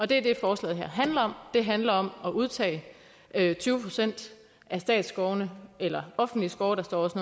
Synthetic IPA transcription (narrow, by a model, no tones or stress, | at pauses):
ɒ̽d̥e̝ɐd̥e̝fɒːslɛ̰ːð̩ˠɦæɐ̰ɦænlɐɒ̽md̥e̝ɦænlɐɒ̽mɒ̽ʔuð̞ˠt͡sʰɛ̰ːɪ | ʔøt͡sʰyːʊəpʰosen̰d̥ | ʔæsd̥ɛ̰ːd̥sɡ̥ɒʊnəelɐɒ̽fn̩d̥lisɡ̥ɒːʊɾ̥ɑ̈sd̥ɒ̰ːɒ̽sno